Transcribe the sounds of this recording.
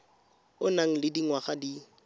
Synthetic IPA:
ʊnaŋ̩lɪdiŋwaχadi

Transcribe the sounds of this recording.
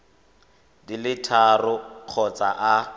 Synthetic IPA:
dilɪtʰarʊq͡χʰɔt͡sʼaʔa

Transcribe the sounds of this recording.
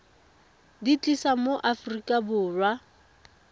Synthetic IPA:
dit͡ɬʼisamoʔafrikʼabʊːrwa

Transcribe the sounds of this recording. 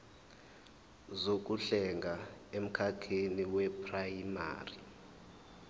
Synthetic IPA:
zok̬ʼuɬɛŋɡʱaem̩kʰakʰeniwɛpʰʼrajima̰ːri

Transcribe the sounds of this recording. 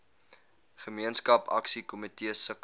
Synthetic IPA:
χəmiənskɐpɐ̰ksikomitiəsək

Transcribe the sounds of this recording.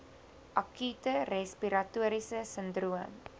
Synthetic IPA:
ʔakytərɛspiɾatuəɾisəsəndɾuəm

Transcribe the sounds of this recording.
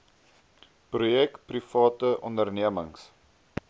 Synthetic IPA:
prujɛk̚prifɑːtəʔɔndərniəməŋs

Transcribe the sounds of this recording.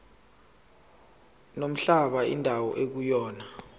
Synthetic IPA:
nom̩ɬaɓaḭndʱawɔ̰ʔek̬ujɔːna

